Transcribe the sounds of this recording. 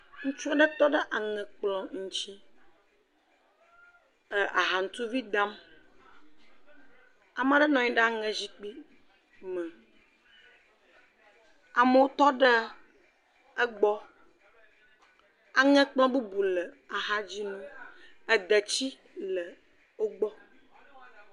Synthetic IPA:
ŋũ˦t͡ʃu˦a˦ɖə˦t̪ɔ˦ɖə˦ʔa˨ŋɛ̃˨k͡plɔ̃˦ŋũ˦t͡ɕi˦ | ə˨ʔa̰˨ɦa˨ŋ̩˨˦t̪u˦vi˦d̪a˦m | a˨m˦a˨ɖə˦nɔ̃˨ɲĩ˦ɖə˦a˨ŋɛ̃˨zi˦k͡pi˦ | mə̃˨ | a˨mə˦wo˦t̪ɔ˦ɖə˦ | ə˦ɡ͡bɔ˦ | a˨ŋɛ̃˦k͡plɔ̃˦bu˦bu˨lə˨ | a˨ɦa˦d͡ʑi˦nũ˦ə˨d̪ə˨t͡ɕi˦ | lə˨ | o˦ɡ͡bɔ˦

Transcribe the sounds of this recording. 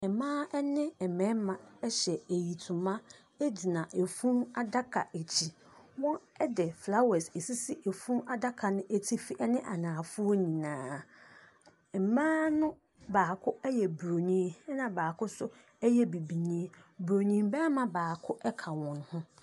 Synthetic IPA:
ɛ˨mãː˦ɛ˦nɪ̃˦ɛ˨mɛ̃˦mã˨ɛ˦ɕɛ˨e˨ji˨tʰũ˨mã˦ | e˦d͡ʑi˨nã˨ʔe˨fũ˦ma˦da˦kʰa̰˨ʔe˨t͡ɕʰi˨ | wɔ̃˦ɛ˦dɛ˨fla˦wɛ˨se˨si˦si˦ʔe˨fũ˦ma˦da˦kʰa˨nʊ̃˦ʔe˦tʰi˦fi˦ʔɛ˦nɪ̃˦ʔa˨nãː˨fʊ˦o˦ɲĩ˨nãː˨ | m̩˨mãː˦nʊ̃˦ | baː˨kʰʊ˦ɛ˦jɛ˨bɾo˨nĩ˦ɛ˦nã˨baː˨kʰʊ˦sʊ˦ | ɛ˦jɛ˦bi˨bi˨ɲĩ˦e˦bɾo˨nĩ˦mbɛ˦mã˦baː˨kʰʊ˦ʔɛ˦kʰa˨wɔ̃˨n˦hʊ̃˦

